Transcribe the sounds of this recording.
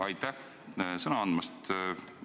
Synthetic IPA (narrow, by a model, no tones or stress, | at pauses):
ɑjt̪ːæh | sɤnɑɑnd̪mɑst̪